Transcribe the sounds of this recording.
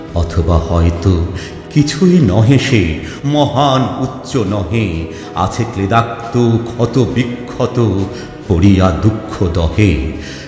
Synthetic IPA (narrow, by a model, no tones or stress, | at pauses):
ɔt̪ʰobahɔet̪o | kit͡ɕʰujnɔɦeʃe | mɔɦanutːɕonɔɦe | a̰t͡ɕʰekled̪ak̚t̪okʰɔt̪obikʰːot̪o | poɾijad̪ukʰːod̪ɔɦe